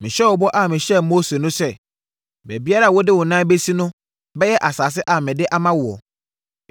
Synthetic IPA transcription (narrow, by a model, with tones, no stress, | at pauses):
mɪ̃˨ɕɛ˦wɔ˨bɔ˦ʔa˨mɪ̃˨ɕɛ˦moː˦se˨nʊ̃˦sɛ˦ | bæ˨bi˦a˦ɾa˨wɔ˦dɪ˦wʊ˨nã˦be˦si˦nʊ̃˦ | bɛ˦jɛ˦ʔa˨saː˨s̬ɪ˦ʔa˨mɪ̃˨dɪ˦ʔa˦mã˦wʊ˨ɔ̰˨